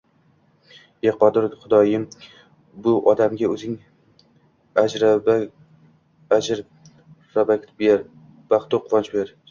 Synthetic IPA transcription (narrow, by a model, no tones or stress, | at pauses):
eqɒd̪ɪɾχʊd̪ɒjɪm | bʊʔɒd̪amɡʲaɵzɪŋ | ad͡ʒɾaba | ad͡ʒɪɾ | ɾabakʲt̪beɾ | b̥aχt̪ʊqʰʊɾɒnt͡ʃbeɾ